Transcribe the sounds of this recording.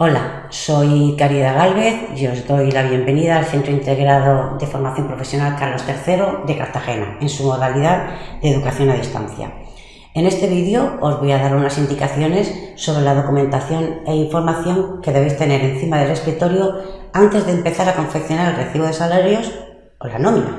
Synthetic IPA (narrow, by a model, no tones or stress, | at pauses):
o̞la | so̞jkaɾiðaɣ̞alβe̞θ | o̞zd̪o̞jlaβje̞mbe̞niðaːlθe̞nt̪ɾoint̪e̞ɣɾaðo̞ðe̞fo̞ɾmaθjo̞mpɾo̞fe̞sjo̞nalkaɾlo̞st̪e̞ɾθe̞ɾo̞ðe̞kaɾt̪axe̞na̰e̞nsumo̞ðaliðaðd̪eðukaθjo̞naðist̪a̰n̟θja̰ | e̞ne̞st̪e̞βiðjo̞ozβo̞jaðaɾunasind̪ikaθjo̞ne̞sːo̞βɾe̞lað̞o̞kumẽ̞nt̪aθjo̞ne̞iɱfo̞ɾmaθjo̞ŋke̞ðeβejst̪e̞ne̞ɾe̞nθimaðe̞le̞skɾit̪o̞ɾjoant̪e̞zðe̞ːmpe̞θaɾako̞ɱfekθjo̞naɾelre̞θiβo̞ð̞e̞salaɾjo̞s | olanõmina̰